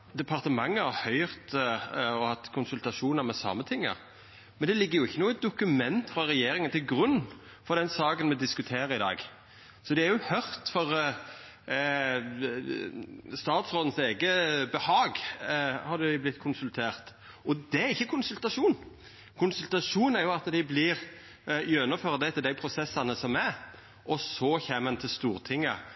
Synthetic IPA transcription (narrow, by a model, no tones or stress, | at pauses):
d̪ɛpʰɑɾʁt̪əmɑŋːəhɑɾhœʏʁt̪ɔhɑt̪ːkʰʊnsʉlt̪ɑʂuːnəɾmɛsɑ̰mːət̪ʰɪŋːə̰ɾ | mɛnd̪ɛlɪɡːəjʊɪçːənuːɛt̪̚d̪ʊkʉmɛnt̪fʁɑɾɛjeːɾɪŋənt̪ʰɪlɡɾʉnː | fɔɾd̪ɛnsɑːkənmɛd̪ɪskʉt̪ʰeːɾəɪd̪ɑ̰ːɡ | sɔd̪ɛæɾjʊhœʁt̪fɔʁ | st̪ɑːt̪sʁoːd̪n̩seːɡəbɛhɑːɡhɑd̪ɛblɪt̪ːkʰʊnsʉlt̪ʰeːʁt̪ | ɔd̪ɛæɾɪçːəkʰʊnsʉlt̪ɑʂuːn | kʰʊnsʉlt̪ɑʂuːnæɾjʊɑt̪d̪æɪblɪɾ | jœnɔføːʁəd̪ɛt̪ʰɪld̪æɪpʰɾʊsɛsːɑnəsɔmæ | ʔɔsɔçeːmɛnt̪ʰɪlst̪uːʁt̪ʰɪŋːə̰